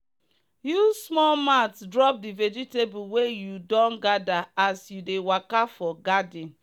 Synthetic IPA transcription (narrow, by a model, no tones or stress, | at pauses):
jusmɔlmatdɹɔp̚dived͡ʒitebuwejudɔ̃nɡadaasjudewakafɔɡadĩn